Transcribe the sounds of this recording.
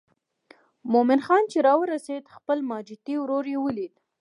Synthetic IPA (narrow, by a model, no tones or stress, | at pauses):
momɪnxɑnt͡ʃeɾɑwəɾased̪xpəlmɑd͡ʒɪt̪iwɾoɾjewəlid̪